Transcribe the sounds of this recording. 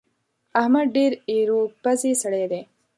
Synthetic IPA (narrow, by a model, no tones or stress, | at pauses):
ɐhmɐd̪̚ɖeːɾiːɾoːk̚pɐziːsɐɽeːd̪eː